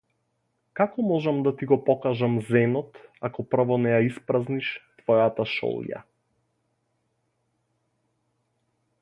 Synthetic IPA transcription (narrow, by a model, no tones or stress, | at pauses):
kakɔmɔʒamd̪at̪iɡɔpɔkaʒamzɛnɔt̪akɔpr̩vɔnɛjaispɾazniʃt̪vɔjat̪aʃɔ̰lˠja̰